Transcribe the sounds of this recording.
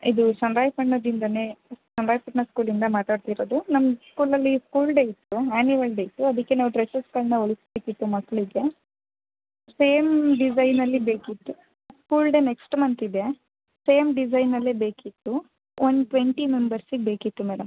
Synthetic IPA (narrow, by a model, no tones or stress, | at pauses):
id̪usɐnɾaːjpɐʈnɐd̪ind̪ɐnesɐnɾaːjpɐʈnɐskuːlind̪ɐmaːt̪aːɖt̪iɾoːd̪unɐmskuːlɐlːiskuːlɖeit̪ːuaːnuʋɐlɖeit̪ːuɐd̪ɐkːe̞naːʋuʈɾesɐskɐlnɐoɭisbe̞ːkit̪ːumɐkːɐɭiɡe̞ | seːmɖid͡ʒɐjnɐlːibe̞ːkit̪ːu | skuːlɖe̞neksʈmɐnt̪id̪e | se̞ːmɖid͡ʒɐjnɐlːebe̞ːkit̪ːu | onɖʈʋeɳʈime̞mbɐɾsiɡbe̞ːkit̪ːumɛːɖɐm